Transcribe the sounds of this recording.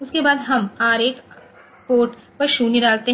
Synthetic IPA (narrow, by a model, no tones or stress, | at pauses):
ʊskebaːd̪ɦɐmhaːɾeːk | poːʈ | pɐɾʃuːniɾaːlt̪eɦ